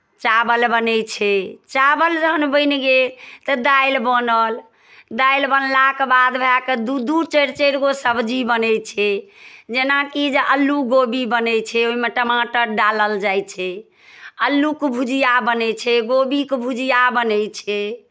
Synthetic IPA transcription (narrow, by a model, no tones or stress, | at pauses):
t͡ʃabəlbənɛt͡ʃʰɛt͡ʃabəld͡ʒəɦənbəɪnɡet̪əd̪ailbənəl | d̪ajlbənlakbad̪bʱelaked̪ud̪ut͡ʃəɾt͡ʃeɾɡosəbd͡ʒibənɛt͡ʃʰɛd͡ʒenakid͡ʒeʔəlːuɡobibənɛt͡ʃʰɛoimeʈəmãʈəɾɖaləld͡ʒajt͡ʃʰɛ | əlːukbʱud͡ʒijabənɛt͡ʃʰɛɡobikbʱud͡ʒijabənɛjt͡ʃʰɛ